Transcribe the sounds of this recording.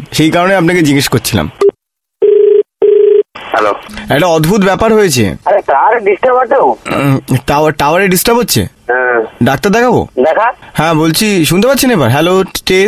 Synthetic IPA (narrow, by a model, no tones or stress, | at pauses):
ʃejkaɾoneapnaked͡ʑiɡiʃkoɾt͡ɕʰila̰m | hɛlo̰ɛk̚ʈaɔd̪bʱut̪bɛpaɾɦojet͡ɕʰḛaɾeʈaaɾeɖisʈaɾbaɾʈ̪ew | ʈaaʈawaɾeɖisʈaɾbɦotːɕʰḛ | ɦɛ̃ɖak̚t̪aɾd̪ɛkʰabo̰d̪ɛkʰahɛ̃bolt͡ɕʰiʃunt̪epatt͡ɕːɕʰenebaɾɦɛloʈe